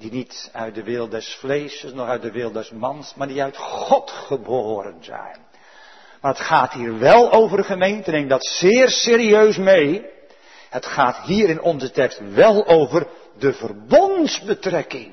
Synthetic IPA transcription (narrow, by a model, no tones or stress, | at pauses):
dinitœ̰ɥt̚dəʋɪlˠdɛsflejsəsnɔχœɥt̚dəʋɪlˠdɛsmɑnsmaːɹdiœɥtχχɔtχəboːɾə̰nzɛ̰jn | maːɹɦətχaːtɦiːɹʋɛlˠowvərχəmejntəneɪmdɑtsɪːrsɪːɾiøɥsmej | hətχaːtɦiːɾɪnʔɔnzətɛkstʋɛlˠowvər | dəvərbɔntzbətrɛkɪŋ